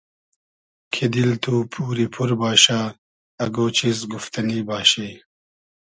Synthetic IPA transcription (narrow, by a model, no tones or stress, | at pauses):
kʰed̪ilt̪ʰuːpʰuːɾipʰuɾbaːɕaː | ɐɡoːt͡ɕizɡuft̪ɐniːbaːɕeː